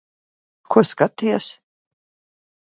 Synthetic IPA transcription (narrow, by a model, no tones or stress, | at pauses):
kʰuskat̪ːijas